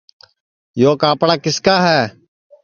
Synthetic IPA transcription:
joːkaːpɽaːkɪskaːɦɛː

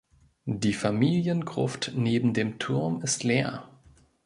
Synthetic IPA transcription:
d̥iːfamiːljənɡʁ̥ʊ̰ftneːbm̩deːmtʰʊɐmɪstleːɐ

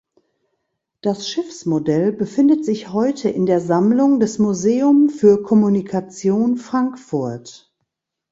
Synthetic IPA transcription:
d̥asʃɪfsmodɛlbəfɪndətz̥ɪçhɔʏtʰəʔɪndeːɐzamlʊŋdɛsmuzeːʊmfyːɐkʰɔmunikʰat͡sjoːnfʁ̥aŋkfʊɐt

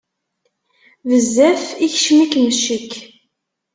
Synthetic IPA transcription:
vəzːæfiçʃmikːməʃːəkː

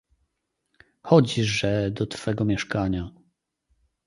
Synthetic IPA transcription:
xɔd͡ʑiʐɛd̪ɔt̪fɛɡɔmʲjɛʂkaɲa

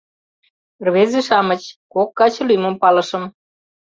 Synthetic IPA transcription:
rβezĕʃɑmə̆t͡ɕkokːɑt͡ɕɤ̆lymə̆mpɑlɤ̆ʃɤ̆m

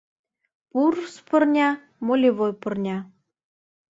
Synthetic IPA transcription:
purspɤ̆rnʲɑ | molʲiβojpɤ̆rnʲɑ

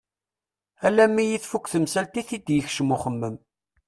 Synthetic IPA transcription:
ælæmːijiθfukːθəmsælt̪iθid̪jəçʃəmuχəmːəm

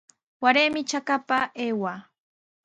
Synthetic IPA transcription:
waɾeːmɪt͡ʃakapaeːwa

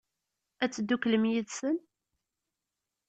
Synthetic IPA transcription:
æt͡sːd̪ːukləmjiðsən

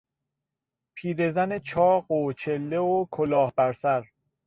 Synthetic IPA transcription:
pʰiːɾe̞zænet͡ʃʰɒːɢot͡ʃʰe̞lːeokʰolɒːhbæɾsæɾ

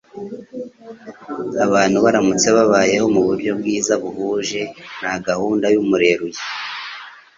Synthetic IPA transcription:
aβaːn̥huβaɾamut͡se̞βaβaːje̞ho̞muβuɾɟo̞bɡiːzaβuhuʒe̞naɡahuːndajumuɾe̞ɾuje

